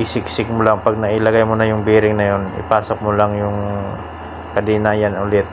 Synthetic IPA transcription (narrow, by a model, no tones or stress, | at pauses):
ʔɪsɪksɪɡ̚mʊlaŋpɐɡ̚nɐʔɪlɐɡajmʊnɐjʊŋbiːɾɪŋnɐjonɪ̰paːsok̚molaŋjʊŋ | kɐd̪ɪnaːjanʊlɪt̪̚